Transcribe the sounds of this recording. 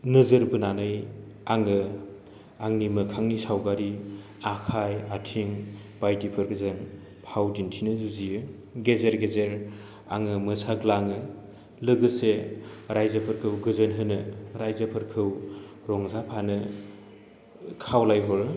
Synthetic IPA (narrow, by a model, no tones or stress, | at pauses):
nɯzɯɾbɯnanɯj | aŋɯ | aŋnimɯkʰaŋnisawɡaɾi | akʰajatʰiŋ | b̥ajtipʰɯɾɡɯzɯŋ | pʰawdintʰinɯzɯzijɯ | ɡezeɾɡezeɾ | a̰ŋɯmɯsaɡlaŋɯ | lɯɡɯseɾajzɐpʰɯɾkʰɯwɡɯzɯnɦɯnɯɾajzɐpʰɯɾkʰɯw | ɾɔŋzapʰanɯ | kʰawlajɦɔɾɯ